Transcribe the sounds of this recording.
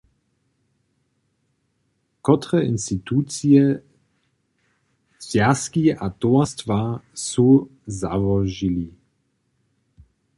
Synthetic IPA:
kɔt̪ʁɛʔinst̪it̪uːt͡siɛ | sjaskiat̪ɔɐst̪vasuza̰vɔʒili

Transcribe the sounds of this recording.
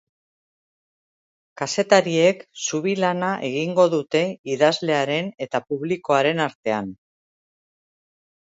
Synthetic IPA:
kase̞t̪aɾie̞ksuβ̞ilanaʔe̞ɣiŋɡo̞ðut̪e̞iðazle̞aɾe̞ne̞t̪apuβliko̞aɾe̞naɾt̪e̞an

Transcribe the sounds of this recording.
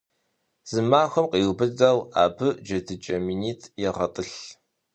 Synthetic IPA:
z̥ɨmaːxʷɐmqʼiːwbɨdɐla̰ːbɨd͡ʒɐdʰɨt͡ʃʼɐminiːtʰjɛʁɐtʼɨɬ

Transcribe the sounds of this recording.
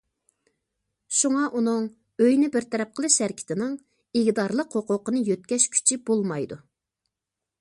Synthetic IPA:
ʃuŋɑʔunɨŋ | øjnɪbɪɾt̪ʰɛɾɛp̚qʰəlˠɨʃæɾkʲʰi̥t̪ʰɪnɪŋ | ɪɡʲd̪ɑɾlˠəqhoqʊqənɨjøt̪̚kʲɛʃkʲʰy̥t͡ʃʰib̥olˠmɑjd̪u

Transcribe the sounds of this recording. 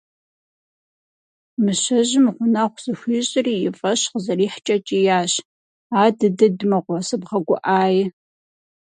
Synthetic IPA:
mɨɕɐʑɪmʁʷʊnɐχʷz̥ɨxʷiːɕʼɪriːjɪfʼɐɕqəzɐriːħt͡ʃʼɐt͡ʃʼijaːɕ | aːdɨdɨdmɐʁʷɔsɨbʁɐɡʷʊ̰ʔaːjɪ

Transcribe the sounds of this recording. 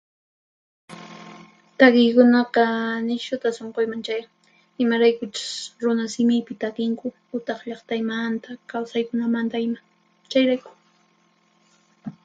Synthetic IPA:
t̪akɪjkʊnɑqɑnɪʃʊt̪asoɴqojmaŋt͡ʃaj | ɪmaɾajkʊt͡ʃʊ̥sɾʊnasɪmɪpɪt̪akɪŋkʊ | ʊt̪ɑχʎɑχt̪ajmant̪akawsajkʊnamant̪aɪma | t͡ʃajɾajkʊ̥

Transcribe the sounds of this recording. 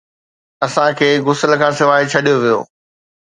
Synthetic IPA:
ɐsãkʰeːɡʊsəlkʰãːsɪʋaːɪt͡ɕʰɐɗijoʋijo̰ː

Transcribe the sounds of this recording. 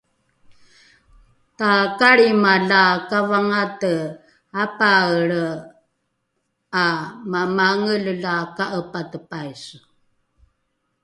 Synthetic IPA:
takaɾimaɮakavaŋatə | apaɾə | amamaŋəlɮakaʔəpatəpajs

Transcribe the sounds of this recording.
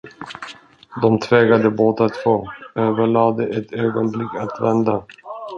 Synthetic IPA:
d̪ɔmt̪ʰvɛːɡad̪əboːt̪at̪foːøːvəɭɑːd̪əʔɛt̪øːɡɔnblɪkːat̪vɛnd̪a

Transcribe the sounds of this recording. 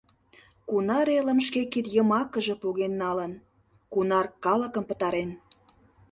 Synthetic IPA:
kunɑɾelə̆mʃkekit̪jəmɑkəʒĕpoɣenːɑlən | kunɑrkɑlə̆kə̆mpət̪ɑɾen

